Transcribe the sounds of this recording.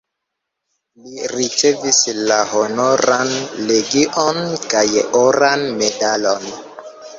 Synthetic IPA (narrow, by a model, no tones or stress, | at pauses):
liɾit͡ʃe̞vislahonoɾanleɡiʔonkajḛʔoɾanme̞dalon